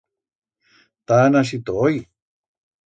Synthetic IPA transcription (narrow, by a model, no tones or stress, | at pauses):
t̪anaʃ̬it̪ooj